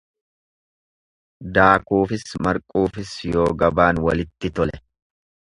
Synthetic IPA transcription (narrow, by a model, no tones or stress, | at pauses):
d̪aːkuːfɪsmɐɾkʼuːfɪsjo̞ːɡɐbaːnwɐ̰lɪt̪ːɪt̪ɔlɛ